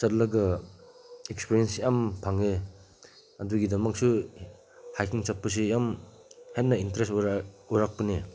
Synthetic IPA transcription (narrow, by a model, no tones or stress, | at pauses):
sɐtlɐɡɐ | ek̚spiɾiensjampʰaŋe | ɐduɡidɐmɐk̚su | hajkʰiŋt͡ʃɐpːɐs̬ijam | hetnɐintɐɾestuɾak̚pɐne